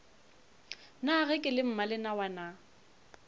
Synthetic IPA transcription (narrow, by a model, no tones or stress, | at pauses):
naɣɛkʼɪlɪm̩malɪnawana